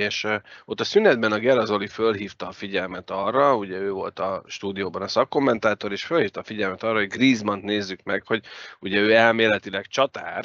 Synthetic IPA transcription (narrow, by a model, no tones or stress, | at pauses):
eːʃot̪ːɒsynɛd̪̚bɛnɒɡɛɾɒzo̞lifølɦiːft̪ɒːfiɟɛlmɛt̪ɒrːɒuɟɛøːvo̞̰lt̪ɒʃt̪uːd̪ijoːbɒnɒsɒkːo̞mːɛnt̪aːt̪o̞ɾeːʃfølhiːft̪ɒːfiɟɛlmɛt̪ɒrːɒɦo̞ɟɡriːzmɒnt̪neːzːykmɛkho̞ɟuɟɛøːɛlmeːlɛt̪ilɛkt͡ʃɒt̪a̰ːr